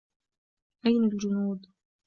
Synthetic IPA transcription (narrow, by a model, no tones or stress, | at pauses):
ʔajnald͡ʒʊnuːd̪